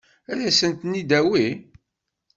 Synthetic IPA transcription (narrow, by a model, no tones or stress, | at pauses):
æɾæsənt̪nid̪æwi